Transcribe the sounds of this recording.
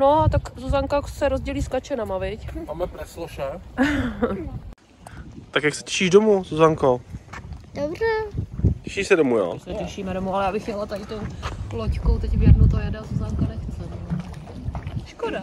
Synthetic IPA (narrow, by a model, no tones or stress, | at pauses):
noat̪akzozaŋkasɛɾozɟɛliːsklat͡ʃɛnamavɪcmaːmɛpɾɛsloʃɛ | t̪akjaksɛ̥cɛ̥ʃiːʒdomuzozaŋko | dobr̝ɛcɛ̥ʃisɛdomujo̰sɛcɛʃiːmɛdomualɛjaːbɪxɲɛlat̪aɾɪt̪owlockowt̪ɛcvɪjɛdnot̪ojadaːzozaŋkanɛxt͡sɛ | ʃkoda